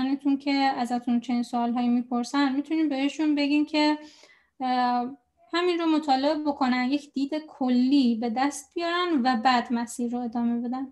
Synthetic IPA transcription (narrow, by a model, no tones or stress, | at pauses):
net̪ʰuncʰe̞æzæt̪ʰunt͡ʃʰe̞niːnsoːlɦɒːjiːmiːpʰoɾsænd̪mit̪ʰuniːmbe̞eʃunbe̞ɡincʰe̞ | hæminɾomo̞t̪ʰɒːle̞ebo̞kʰo̞nænjecʰd̪̥iːd̪ekʰolːiːbe̞d̪æst̪̚b̥ijɒːɾænvæbæd̪mæsiːɾːoe̞d̪ɒːme̞be̞d̪æn